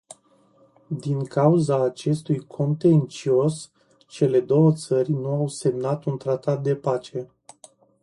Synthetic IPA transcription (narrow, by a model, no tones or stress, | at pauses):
d̪iŋkauzaːt͡ʃe̞st̪ujkʰo̞nt̪e̞nt͡ʃio̞s | t͡ʃe̞le̞d̪o̞wət̪sərʲnuawse̞mnat̪unt̪ɾat̪at̪̚d̪e̞pat͡ʃe̞